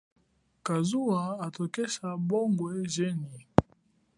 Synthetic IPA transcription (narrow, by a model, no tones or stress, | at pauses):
kazuwaatokɛsaboŋɡwɛʒeni